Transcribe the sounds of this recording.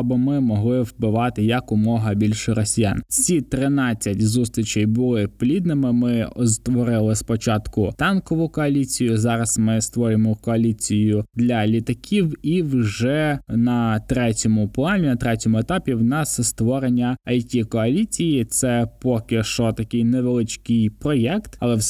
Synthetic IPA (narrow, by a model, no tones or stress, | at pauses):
bɪmɪmɔɦlˠɪwbɪʋɑt̪ɪjɐkʊmɔɦɐbʲilʲʃɾɔsʲija̰nt͡ssʲit̪ɾɪnɑt͡sʲːɐtʲzust̪ʲɾʲit͡ʃɛjbʊlˠɪplʲid̪nɪmɪmɪɔst̪ʋɔɾɪlˠɪspɔt͡ʃɑt̪kʊt̪ɑnkɔʋʊkɔɐlʲit͡sʲijʊzɑɾɐsmɪst̪ʋɔɾʲɪmɔkɔɐlʲit͡sʲijʊd̪lʲɐlʲit̪ɐkʲʰiwiwʒɛnɐt̪ɾɛtʲɔmʊplˠɑnʲinɐt̪ɾɛtʲɔmʊet̪ɑpʲiwnɑsst̪ʋɔɾenʲːɐɐjtʲikɔɐlʲit͡sʲijit̪sɛpɔkʲɪʃt͡ʃɔt̪ɐkʲɪjneʋelˠɪt͡ʃkɪjpɾɔjɛkt̪ɐlˠɛw